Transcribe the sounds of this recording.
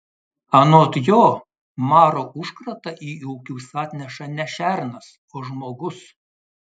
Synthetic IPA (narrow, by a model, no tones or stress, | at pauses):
ɐnoːt̪joː | mɑːɾoːʔʊʃkɾɐt̪ɐʔiːuʊkʲuːsɑːt̪ʲnʲɛʃɐnʲɛʃʲæɾnɐs | oːʒmoːɡʊs